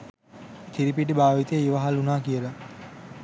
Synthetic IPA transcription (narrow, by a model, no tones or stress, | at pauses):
t̪iɾipiʈ̬ibaːʋit̪eiʋaɦalunaːkijəla